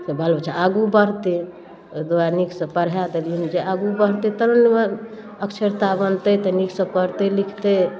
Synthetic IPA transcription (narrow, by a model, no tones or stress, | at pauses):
səbʱəlbət͡ʃʰaaɡubəɾt̪e | d̪oaniksə̃pəɾɦad̪eljunid͡ʒeaɡubəɾt̪et̪əɾonme | əkt͡ʃʰeɾt̪abənt̪ət̪əniksə̃pəɾt̪elikʰt̪e